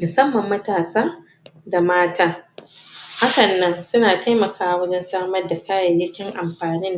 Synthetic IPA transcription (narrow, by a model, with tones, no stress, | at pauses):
mʊ˨sɐ˦mːɐ˨mːɐ˦taː˨saː˦ | da˨maː˦tʰaː˦ | ha˦kɐ˨nːɐ˦nsʊ˦naː˨ta˦jmɐ˨kʰaː˦˨wɐ˦d͡ʒɛ˦nsaː˦mɐ˦rda˨kʰaː˦jɐ˨jːɪ˦kʲɪ˦ŋʔa˨mɸaː˨nɪ˦n